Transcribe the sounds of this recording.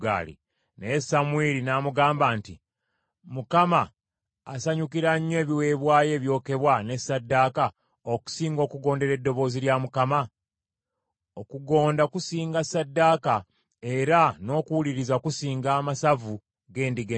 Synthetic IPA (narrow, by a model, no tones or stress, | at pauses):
ɡa̰ːlḭ | nesamwelinaːmuɡaːmbaːnti | mukamaː | saɲukiɾaɲːwe̞ːβiwe̞ːβwaːje̞ːβjo̞ːke̞βwane̞sadːaːka | oku̥siːŋɡo̞ːkuɡo̞ːnde̞ɾe̞dːo̞βo̞ːziljamukama | okuɡo̞ːndaokusiːŋɡasːadːaːka | e̞ɾano̞kuwuliɾizaokusiːŋɡaːmasavu | ɡe̞ːndiɡe